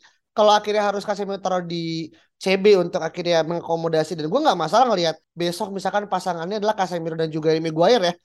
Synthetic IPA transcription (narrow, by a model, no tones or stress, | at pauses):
kaloakiɾjaɦaɾʊskasemiɾot̪ɾodi | t͡ʃebeunt̪ʊkakirjaməŋakomodasidanɡuaŋɡaʔmasalaŋəliɦat̪̚besɔk̚misalkanpasaŋanɲadalahkasemiɾodand͡ʒuɡaimiɡuaɪrja